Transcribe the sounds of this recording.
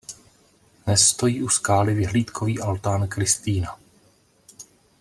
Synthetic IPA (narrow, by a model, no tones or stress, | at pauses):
dnɛsːt̪o̞jiːʔuskaːlɪvɪɦliːt̪kʰoviːʔalt̪aːnkɾɪst̪iːna